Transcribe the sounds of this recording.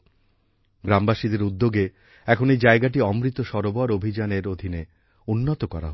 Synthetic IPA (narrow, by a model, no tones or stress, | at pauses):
ɡɾambaʃid̪eɾud̪ːoɡe | ɛkʰonejd͡ʑaeɡaʈ̬iɔmɾit̪oʃɔɾobaɾobʱid͡ʑaneɾod̪ʱine | unːot̪okɔɾa̰ɦ